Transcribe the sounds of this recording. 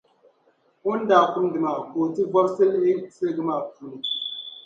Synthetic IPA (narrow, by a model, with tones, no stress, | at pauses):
u˦n˦da˨ku˦n˦dɨ˨ma˨ko˨ti˦vɔ˦ɾse˦le˦se˦˨ɡɨ˦ma˨ku˨n˨